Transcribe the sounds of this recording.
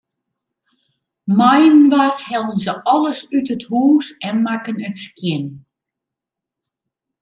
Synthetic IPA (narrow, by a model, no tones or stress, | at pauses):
mɔjənʋarhɛlˠənzəʔɔlˠəsytəthuːsɛnmakənətskjɪn